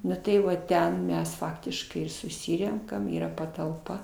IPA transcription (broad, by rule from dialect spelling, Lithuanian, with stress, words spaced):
ˈnʊ tɐɪ ˈʋɐ ˈtʲɛn ˈmʲɛs ˈfɑːktʲɪʃkɐɪ ɪr sʊˈsʲɪrʲɛŋkɐm ˈiːrɐ pɐtɐlˠˈpɐ